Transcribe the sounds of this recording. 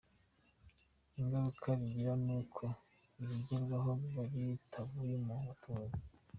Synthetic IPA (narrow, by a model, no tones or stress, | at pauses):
iŋɡaɾukʰaɾiɡiɾanuːkʰo̞ | iɾiɟiɾɡaɦoβaɾitʰaβujemuβatʰuz